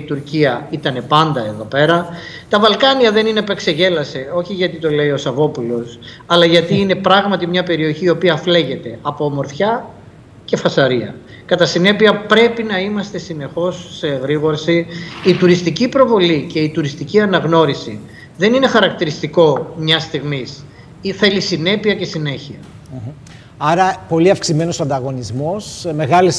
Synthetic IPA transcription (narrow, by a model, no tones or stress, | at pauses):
it̪uɾciɐit̪ɐne̞pɐnd̪ɐe̞ðo̞pe̞ɾɐ | t̪ɐvɐlkɐniɐðe̞nine̞pe̞kse̞ʝe̞lɐseo̞çiʝɐt̪it̪o̞le̞io̞sɐvo̞pulo̞s | ɐlɐʝɐt̪iːne̞pɾɐɣmɐt̪imɲɐpe̞ɾio̞çiːo̞piɐfle̞ʝe̞t̪e̞ɐpomo̞ɾθçɐ | ce̞fɐsɐɾiɐ̰ | kɐt̪ɐsine̞piɐpɾe̞pinɐimɐst̪e̞sine̞xo̞sːeɣɾiɣo̞ɾsiit̪uɾist̪icipɾo̞vo̞lice̞it̪uɾist̪iciɐnɐɣno̞ɾisḭ | ðe̞nine̞xɐɾɐk̚t̪iɾist̪iko̞mɲɐst̪iɣmis | iθe̞lisine̞piɐce̞sine̞çiɐ | ɐɾɐpo̞liɐfksime̞nosɐnd̪ɐɣo̞nizmo̞sme̞ɣɐlis